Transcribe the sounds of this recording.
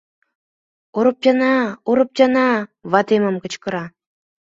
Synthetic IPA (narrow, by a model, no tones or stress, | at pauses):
oɾɤ̆p̚tʲɑnɑoɾɤ̆p̚tɑnɑβɑt̪emə̆mkɤ̆t͡ɕkɤ̆ɾɑ